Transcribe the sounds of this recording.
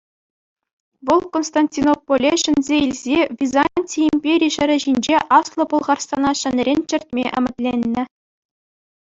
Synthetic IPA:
ʋɤ̆lˠkonst̪ɑnʲtʲinopːolʲeɕɘ̆nʲzʲeilʲzʲeʋʲizanʲtʲiimʲpʲeɾʲiɕɘ̆ɾʲɘ̆ʑinʲd͡ʑeʔɑslˠɤ̆pŭlˠʁɑrst̪ɑnɑɕɘ̆nʲrʲenʲt͡ɕɘ̆rʲtʲmʲeʔɘ̆mʲɘ̆t̪ʲlʲenʲːɘ̆

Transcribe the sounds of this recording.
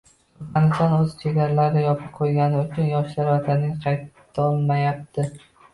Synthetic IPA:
anɪst̪anɵz̥t͡ʃʰe̞ɡʲaɾalaɾɪjɒpʰɪp̚qʰojɡʲanɪʊt͡ʃʰʊnjɒʃlaɾvat̪ʰanːɪŋqʰɑjt̪ʰː | ɒlˠmajap̚t̪ʰɪ

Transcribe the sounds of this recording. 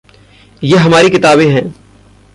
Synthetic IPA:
jeːɦɐmaːɾikɪt̪aːbẽɦɛ̃ː

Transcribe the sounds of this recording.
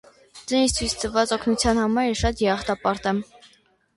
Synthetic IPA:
d͡zɛnist͡sʰuist̪ʰəvɑt͡sɔkʰnut͡sʰjɑnhɑmɑɾɛʃɑt̪jɛɑχt̪ɑpɑɾt̪ɛm

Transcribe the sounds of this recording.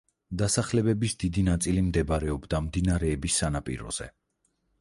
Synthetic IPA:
d̪asaχlɛbɛbisd̪id̪inat̪sʼilimd̪ɛbaɾɛɔbd̪amd̪inaɾɛːbisːanapʼḭɾɔ̰z̥ɛ̰

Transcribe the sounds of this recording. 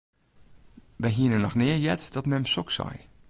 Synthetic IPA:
ʋɛjɦiənənɔxnɪːəjɛtdɔtmɛmsɔksɔ̰j

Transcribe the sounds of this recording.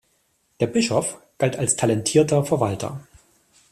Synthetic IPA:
d̥eːɐbɪʃɔfɡ̥altalstʰalɛntʰiːɐtɐfɛɐvaltʰɐ̰

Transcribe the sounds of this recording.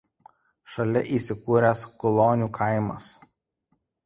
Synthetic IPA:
ʃɐlʲɛʔiːˑsʲɪkuːɾʲɛskɔlˠoːnʲuːkʰɐɪmɐ̰s

